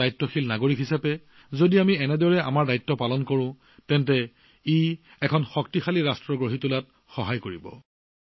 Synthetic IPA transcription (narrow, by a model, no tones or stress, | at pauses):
ajtːɔxilnaɡoɹikɦisapɛ | zodiamiɛnɛdɔɹɛa̰maɹdajtːɔpalɔnkɔɹʊ̃ | tɛntɛ | i | ɛkʰɔnxɔk̚tixaliɹastɹɔɡɹoɦitulat̚ | xɔɦajkoɹibɔ̰